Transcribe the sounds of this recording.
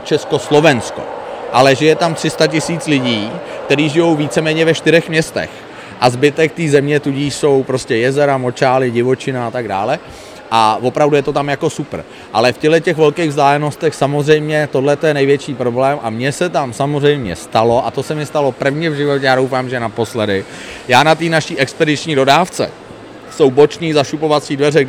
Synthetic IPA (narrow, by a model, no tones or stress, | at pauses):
t͡ʃɛsko̞slo̞vɛnsko̰ʔalɛʒɪjɛt̪amt̪r̥ɪst̪acɪsiːt͡slɪɟiːkt̪ɛɾiːʒɪjo̞wviːt͡sɛmɛːɲɛvɛʃt̪ɪɾɛxmɲɛst̪ɛ̰x | ʔazbɪt̪ɛk̚t̪iːzɛmɲɛt̪uɟiːʃso̞wpɾo̞scɛjɛzɛɾamo̞t͡ʃaːlɪɟɪvo̞t͡ʃɪnaat̪aɡda̰ːlɛ | ʔavo̞pɾavdujɛt̪o̞t̪amjako̞supr̩ | ʔalɛfcɛɦlɛcɛxvɛlkejɣvzdaːlɛno̞st̪ɛxsamo̞zrɛjmɲɛt̪odlɛt̪ojɛnɛjvjɛt͡ʃiːpɾo̞blɛːmʔamɲɛsɛt̪amsamorɛjmɲɛ̰st̪alo̞ʔat̪osɛmɪst̪alo̞pr̩vɲɛvʒɪvo̞cɛjaːdowfaːmʒɛnapo̞slɛdɪ | jaːnat̪iːnaʃiːʔɛkspɛdɪt͡ʃɲiːdo̞daːft͡sɛ̰ | so̞wbo̞t͡ʃɲiːzaʃupo̞vat͡siːdvɛrɛ